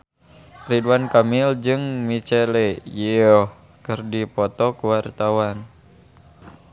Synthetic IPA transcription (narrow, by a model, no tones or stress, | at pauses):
riduankamild͡ʒɨŋmit͡ʃɛlɛjiɔh | kɨrdipɔt̪ɔkuwart̪awan